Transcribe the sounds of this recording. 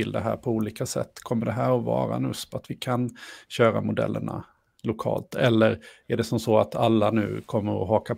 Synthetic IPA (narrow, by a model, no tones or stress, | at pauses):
ɪld̪ɛɦæ̰ːɾpʰɔuːliːkasɛ̰t̪ːkʰɔmːəɖɛɦæːɾɔvɑ̰ːɾa̰nɵːsat̪vɪkʰanɕøːɾamʊd̪ɛ̰lːʔəɳa̰ | lʊkʰɑ̰ːlt̪ʰɛlːəɾæɖɛsɔmsɔat̪ʰalːanʉ̟̰ːkʰɔmːəɾɔ̰ɦɑːka